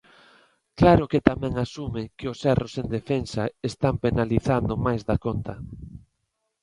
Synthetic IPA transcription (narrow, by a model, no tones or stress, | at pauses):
klaɾʊkɪt̪amɛ̃ŋasumɪkɪʊsɛrosend̪efensaest̪ampenaliθand̪ʊmajzðakont̪ɐ